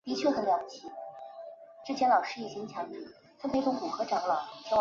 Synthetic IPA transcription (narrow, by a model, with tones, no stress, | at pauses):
t̪i˧˥t͡ɕʰɥɛ˥˩xə˧˩ljɑ˧˥t͡ɕʰi˧˩ | ʈ͡ʂɻ̩˥˩t͡ɕʰjɛ˧˥nlɑ˨˩ʊʂɻ̩˥i˧˥˩ɕi˧˥ŋt͡ɕʰjɑ˧˥ŋḭ˥˩ | t͡s̪ʰɤ˥pe˧˥ɪʊ˧˥ŋku˨˩xɤ˧˥ʈ͡ʂɑ˨˧˩ŋlə˧˩t͡ɕɑ˥